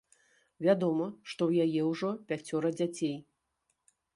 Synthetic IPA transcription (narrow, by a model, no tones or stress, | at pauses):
vʲad̪ɔmɐʂt̪ɔwjajɛwʐɔpʲat͡sʲɔɾɐd͡zʲat͡sʲej